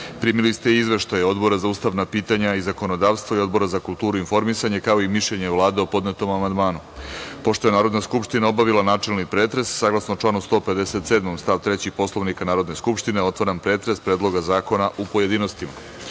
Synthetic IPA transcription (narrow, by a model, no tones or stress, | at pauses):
pɾiːmilist̪eizʋe̞ʃt̪ajo̞d̪bo̞ɾazauːst̪aʋnapiːt̪aɲaizako̞nod̪aʋst̪ʋoio̞d̪bo̞ɾazakulˠt̪uːɾuinfo̞ɾmisaɲekao̞imiʃʎeɲevlˠaːd̪e̞opo̞d̪net̪o̞mamand̪maːnupo̞ʃt̪o̞je̞naːɾod̪naskupʃt̪inao̞baʋilˠanaːt͡ʃe̞lnikpɾe̞ːt̪ɾe̞sːaːɡlˠasnot͡ʃlˠaːnust̪o̞ːpe̞d̪eset̪sed̪mo̞mst̪aːʋt̪ɾet͡ɕixpo̞slˠoʋnikanaːɾod̪ne̞skupʃt̪ineo̞t̪ʋaɾampɾe̞ːt̪ɾespɾeːd̪lˠo̞ɡazaːko̞naʔupoje̞d̪ino̞st̪ima